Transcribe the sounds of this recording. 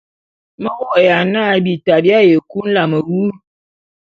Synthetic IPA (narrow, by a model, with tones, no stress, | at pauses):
mə˦wɔ˦˨ʔja˨na˦bi˨ta˨bja˦je˨ku˦n̩˦la˨mə˨wu˦